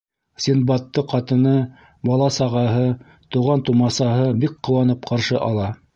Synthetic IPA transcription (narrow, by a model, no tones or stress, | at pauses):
sʲinbɑt̪ːɤqɑt̪ɤ̆nɤ | bɑlˠɑsɑʁɑɦɤ | t̪uʁɑnt̪umɑsɑɦɤbik̚qːŏwɑnɤp̚qʰɑɾʃɤʔɑlˠɑ